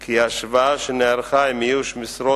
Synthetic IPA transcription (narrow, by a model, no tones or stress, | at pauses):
kʰiaʃvaʃɛnɛaɾχajmijuʃmɪsɾɔ